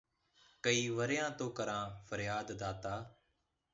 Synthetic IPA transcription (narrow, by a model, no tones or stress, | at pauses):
kəiːʋəɾjãːt̪oːkəɾãːfʰəɾjaːd̪ːaːt̪aː